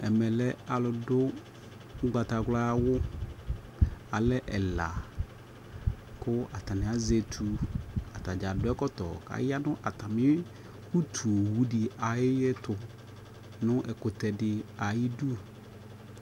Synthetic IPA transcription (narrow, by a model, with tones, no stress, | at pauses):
ɛ˨mɛ˨lɛ˦a˨lʊ˨dʊ˦ | ŋ̩˦ɡ͡ba˨t̪a˨ɡla˦a˦wʊ˦ | a˨lɛ˦ʔɛ˨la˨ | kʊ˦a˨t̪a˨nɪ̃˨a˨ze˨t̪ʰu˨a˨t̪a˨d͡ʒa˨dʊ˦ɛ˦kɔ˦t̪ɔ̰˨ka̰˨ja˦nʊ̃˦ʔa˨t̪a˨mɪ̃˦ | wu˦t̪ʰu˨wu˦ɖɪ˨a˨jɪ˦jɛ˦t̪ʊ˨ | nʊ̃˦ʔɛ˨kʊ˨t̪ɛ˨ɖɪ˨a˨ji˦du˦˨